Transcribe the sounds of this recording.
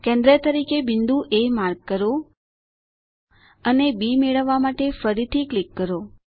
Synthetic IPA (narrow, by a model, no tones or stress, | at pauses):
kɛ̃nd̪ɾət̪əɾikebɪnd̪uʔemaɾɡkəɾo | ənebimeɭəʋːamaʈefəɾit̪ʰiklikːəɾo